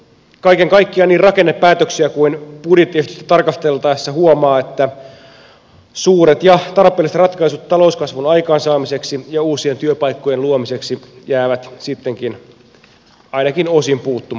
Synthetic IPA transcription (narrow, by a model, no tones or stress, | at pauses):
kɑikeŋkɑikːiɑniːrrɑkenːepːæːt̪øksiækuinpudit̪est̪y̥st̪æ̥t̪ɑrkɑst̪elt̪ɑisːɑhuomɑːet̪ːæ | suːɾet̪jɑt̪ɑrpˑeːlːˑiset̪rɑt̪kɑisut̪t̪ːɑlo̞uskɑsʋunɑjkɑːnsɑːmise̞ksijɑuːsiet̪yøpɑjkːojeluomise̞ksijæːʋæt̪sit̪ːeŋkin | ɑinɑkinosimpuːt̪ːum